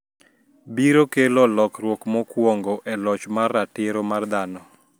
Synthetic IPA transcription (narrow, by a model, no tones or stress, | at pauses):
biɾokelɔlɔkɾwɔkmɔkwoŋɡoʔɛlɔt͡ʃmarːatɪɾomard̪anɔ